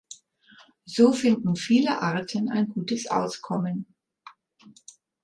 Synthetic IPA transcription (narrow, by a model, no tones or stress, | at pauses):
z̥oːfɪndn̩fiːləʔaɐtʰəna̰ɪnɡuːtəsʔa̰ʊskʰɔmən